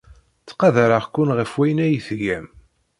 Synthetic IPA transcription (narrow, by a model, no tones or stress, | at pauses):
t͡sːqɑðaɾaʁkːʊnʁəfwæjnæjθʝæm